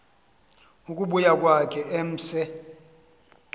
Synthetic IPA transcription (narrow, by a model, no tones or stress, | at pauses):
ukʼuɓujakʼwakʼɛʔem̩ːsɛ